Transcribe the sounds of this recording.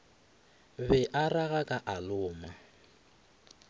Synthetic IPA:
bɛʔaraɣakʼaʔalʊːma

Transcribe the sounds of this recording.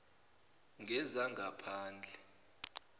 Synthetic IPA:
ŋɡʱɛzaŋɡʱapʰaːnd͡ɮʱɛ

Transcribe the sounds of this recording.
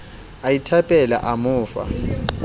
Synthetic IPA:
ajitʰapʼɛla̰ʔamʊːfa̰

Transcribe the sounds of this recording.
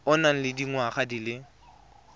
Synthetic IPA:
ʊnaŋ̩lɪdiŋwaχadilɪ

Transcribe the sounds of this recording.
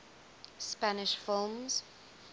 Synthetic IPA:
spanɪʃfɪlˠmz̥

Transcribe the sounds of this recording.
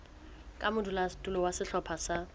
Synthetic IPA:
kʼamʊdulastʼulɔwasɪɬɔpʰasa

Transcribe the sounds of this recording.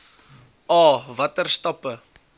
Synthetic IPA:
ɑːvɐtərstɐpə

